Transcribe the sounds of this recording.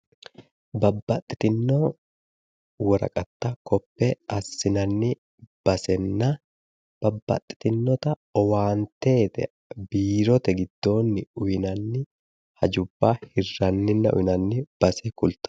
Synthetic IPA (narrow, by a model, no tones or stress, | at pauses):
bɐbːɐt̪ʼːɪ̥t̪ɪnːo | wɔɾɐ̰kʼɐt̪ːakɔpːɛʔɐsːɪnɐnːɪ | b̥ɐsɛnːɐ | b̥ɐbːɐ̰t̪ʼːɪ̥t̪ɪnːɔt̪ɐɔwaːnt̪e̞ːt̪ɛ̰ | biːɾɔt̪ɛɡɪd̪ːo̞ːnːɪʊjɪnɐnːɪ | hɐd͡ʒʊbːaːhɪrːɐnːɪnːɐʔʊ̰ʔɪnɐnːɪb̥ɐsɛkʊlt̪ɐ̥